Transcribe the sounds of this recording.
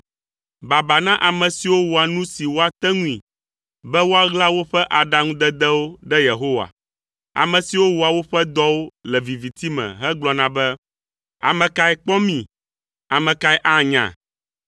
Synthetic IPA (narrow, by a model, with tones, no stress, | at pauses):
ba˨ba˨nã˦ʔa˨mɛ̃˨si˨wo˦wo˨a˨nũ˦si˨wo˦a˨t̪ɛ˦ŋũ˦ḭ̃˨ | bɛ˦wo˦a˦ɣla˦wo˦ɸɛ˦ʔa˨ɖa˨ŋũ˦d̪ɛ˦d̪ɛ˦wo˦ɖɛ˦je˨ɦo˦wa̰˨ | a̰˨mɛ̃˨si˨wo˦wo˨a˨wo˦ɸɛ˦d̪ɔ˦wo˦lɛ˨vi˨vi˨t̪i˦mɛ̰̃˨ɦɛ˦ɡ͡blɔ˨nã˦bɛ˦ | a̰˨mɛ̃˨ka˨ɛ˨k͡pɔ˦mĩ˨ | a˨mɛ̃˨ka˨˦ɛ˦ʔa˦˨ɲã̰˨